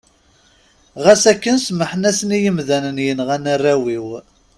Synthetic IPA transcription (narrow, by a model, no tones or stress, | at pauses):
ʁæsækːənsməħnæsənijəmðænənjənʁænərːæwiw